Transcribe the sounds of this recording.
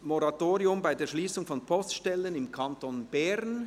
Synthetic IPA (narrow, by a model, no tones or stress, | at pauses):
mɔɾatoːʁiʊmbaɪdeːɐʃliːsʊŋfɔnpʰɔstʃtɛlənɪmkʰɑntonb̥ɛʁn